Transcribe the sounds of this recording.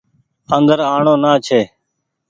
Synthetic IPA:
ənd̪əɾaːɳõːnaːt͡ʃʰeː

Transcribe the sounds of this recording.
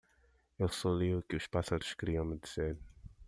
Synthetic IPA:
ewsoliukɪuʃpasaɾʊʃkɾiɐ̃w̃med̪iseɾ

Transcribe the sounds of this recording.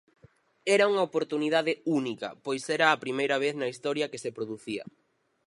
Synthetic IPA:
ɛɾɐuŋɐopoɾt̪uniðaðɪunikɐ̰pojsɛɾɐːpɾimejɾɐβ̞eθnɐist̪ɔɾjɐkesepɾoðuθiɐ̰

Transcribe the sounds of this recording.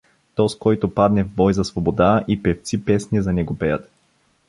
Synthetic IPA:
t̪ɔskɔjt̪opad̪nɛvbɔjzɐsvobod̪aipɛft̪sipɛsniɛzɐnɛɡopɛjət̪

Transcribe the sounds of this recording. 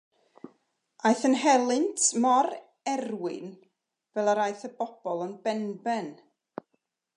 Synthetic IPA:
ajθənɦɛlˠɨntʰmɔɾ | ɛrwɪ̰n | vɛlˠaɾajθəb̥ɔb̥ɔlˠənbɛnbɛn

